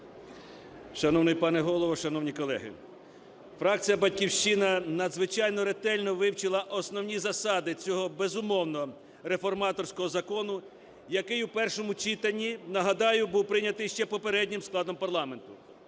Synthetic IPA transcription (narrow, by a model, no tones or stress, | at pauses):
ʃɐnɔwnɪjpɑnɛɦɔlˠɔʋɔʃɐnɔwnʲikɔlˠɛ̰ɦɪ̰ | fɾɑk̚t͡sʲijɐbɐdʲkʲiwʃt͡ʃɪnɐnɐd̪zʋɪt͡ʃɑjnɔɾet̪ɛlʲnɔʋɪwt͡ʃɪlˠɐʔɔsnɔwnʲizɐsɑd̪ɪt͡sʲɔɦɔbezʊmɔwnɔ | ɾe̞fɔrmɑt̪ɔrsʲkɔɦɔzɐkɔnʊ | jɐkɪjwpɛrʃɔmʊt͡ʃit̪ɐnʲːinɐɦɐd̪ɑjʊbuwpɾɪnʲɐt̪ɪjʃt͡ʃɛpɔpeɾɛdʲnʲɪmsklˠɑd̪ɔmpɐrlˠɑme̞nt̪ʊ